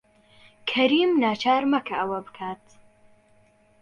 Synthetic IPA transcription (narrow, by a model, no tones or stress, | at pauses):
kʰɐɾiːmnaːt͡ʃʰaːɾmɐkʰɐʔɐwɐbɨkʰaːt̪